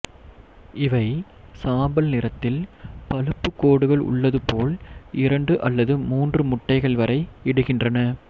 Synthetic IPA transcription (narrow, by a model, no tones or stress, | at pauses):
ɪʋɐɪ | saːmbɐlnɪɾɐt̪ːɪlpɐlɯpːɯkːoːɽɯɣɐɭʊ̰ɭːɐðɯpoːlʔɪɾɐɳɖɯʔɐlːɐðɯmuːndrɯmʊʈːɐɪɣɐɭʋɐɾʔɐɪɪɽɯɣɪndrɐnɐ